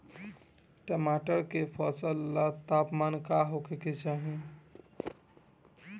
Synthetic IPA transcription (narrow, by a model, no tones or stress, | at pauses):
ʈəmaʈəɾkepʰəsəlːat̪apmankaɦokeket͡ʃaɦi